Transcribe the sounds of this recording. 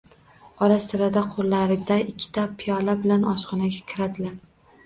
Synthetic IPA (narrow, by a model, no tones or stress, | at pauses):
ɒɾasɪɾad̪aqʰolːaɾɪd̪aɪkʲʰːɪ̥t̪ʰapʰɪjɒlabɪlanɒʃqɒnaɡʲakʲʰɪɾad̪ɪlaɾ